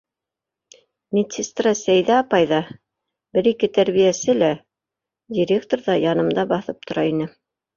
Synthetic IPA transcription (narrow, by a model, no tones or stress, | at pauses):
mʲet̪ʲsʲist̪rɑsæjðæɑpɑjðɑ | bɘɾikɘt̪æɾβijæsɘlæ | dʲiɾʲekt̪oɾðɑjɑnɤ̆md̪ɑbɑθɤp̚t̪ŏɾɑinɘ